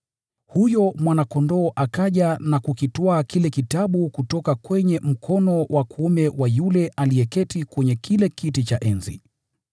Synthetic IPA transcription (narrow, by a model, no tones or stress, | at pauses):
hujɔmwanakɔndɔːʔakaʄanakukitɔakʰilɛkitaɓukutɔkakwɛɲɛm̩kʰɔnɔwʔakuumɛwajulɛʔaliɛkɛtikwɛɲɛkilɛkitit͡ʃaʔɛnzḭ